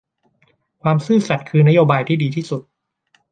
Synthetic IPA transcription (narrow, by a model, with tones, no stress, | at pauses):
kʰwaː˧msɯː˥˩sa˨˩t̪̚kʰɯː˧na˦˥joː˧baː˧jt̪ʰiː˥˩diː˧t̪ʰiː˥˩su˨˩t̪̚